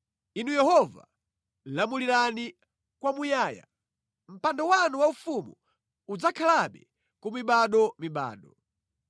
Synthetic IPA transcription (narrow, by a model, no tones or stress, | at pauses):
inujɛhɔva̰ | lamuliɾani | kwamujaːja̰ | m̩pandɔwanuwaufumṵ | ud͡zakʰalaɓɛ̰ | kumiɓaɗɔmiɓa̰ːɗɔ